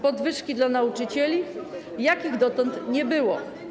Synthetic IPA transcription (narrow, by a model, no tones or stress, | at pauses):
pɔd̪vɘʂkʲid̪lanaut͡ʂɘt͡ɕɛlʲi | jakʲiɣd̪ɔt̪ɔnt̪ɲɛbɘwɔ̰